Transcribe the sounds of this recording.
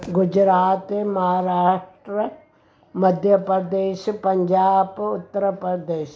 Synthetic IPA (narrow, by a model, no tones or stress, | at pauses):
ɡʊd͡ʒɾaːt̪emɐɦaɾaːʂʈɾə | mɐd̪ʱjəpɾəd̪eːʃpɐɲd͡ʒaːbʊt̪ːəɾəpɾəd̪eːʃ